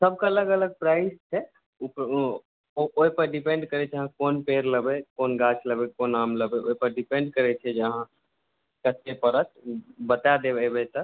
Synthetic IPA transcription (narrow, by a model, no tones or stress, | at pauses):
səb̚ʱkaələɡələɡ̚pɾaist͡ʃʰɛ | up | ooipəɾɖipeɳɖkəɾɛt͡ʃʰəɦãkonpeɾləbekonɡat͡ʃʰləbekonamləbɛʔo̰ipəɾɖipeɳɖkəɾɛt͡ʃʰɛd͡ʒəɦã | kət̪epəɾət̪bət̪ad̪ebɛbɛt̪ə